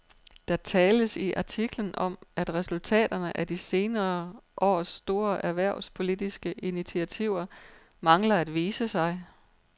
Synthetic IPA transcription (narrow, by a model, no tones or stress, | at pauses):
d̥ɑ̈t͡sʰɛːləsiʔɑ̈t͡sʰiɡ̥lənʔɒ̽m̰æd̥ʁɛsult͡sʰɛ̰ːd̥ɐnəʔæd̥ise̝ːnɐːʔɒ̰ːsd̥o̝ːɐʔæɐʋæɐ̰spʰo̝lid̥isɡ̥əʔinit͡sʰiæt͡sʰiʊ̰ɐ | mɑ̈ŋlɐæd̥ʋiːsəsɑ̈ɪ